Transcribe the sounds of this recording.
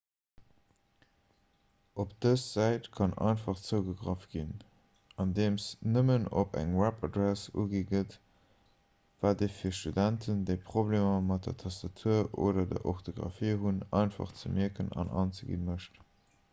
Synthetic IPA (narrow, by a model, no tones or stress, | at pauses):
ʔopd̥əsz̥æɪtkʰɑnʔɑ̰ɪnfɑχt͡səʊɡəɡʁɑfɡ̥in | ɑndeːmsnəməno̰pæ̰ŋwæpɑdɹæsṵːɡiːɡət | v̥aːdeːfiːɐʃtudæntʰəndeɪpʁ̥oblemɐmɑt̚dɐ̰tʰɑstɑtʰuɐʔo̰ːdɐdɐ̰ʔoχtʰoɡʁɑ̰fiːɦunɑɪnfɑ̰χt͡səmiəkənɑ̰nʔɑːnt͡səɡḭnməʃt